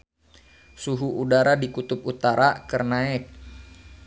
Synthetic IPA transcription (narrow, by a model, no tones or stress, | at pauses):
suɦuʔudaɾadikut̪up̚ut̪aɾakərnaɪk̚